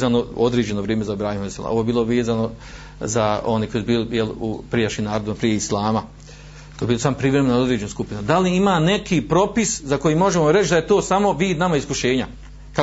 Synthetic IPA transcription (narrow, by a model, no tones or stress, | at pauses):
zanood̪ɾeːd͡ʑe̞noʋɾjieːmezabɾaːhimoisela̰oʋoebiːloʋeːzano̞ | zao̞nekojsbiːljelṵpɾijaʃiːmnaːɾod̪ʋimapɾije̞islˠaːma | kojebilosampɾiʋɾemenod̪ɾeːd͡ʑe̞nuskupinud̪aliimaːne̞kiːpɾo̞piszako̞jimo̞ʒemoɾet͡ʃd̪ajet̪o̞ːsamo̞ʋiːd̪namaiskuʃe̞ːɲa | ka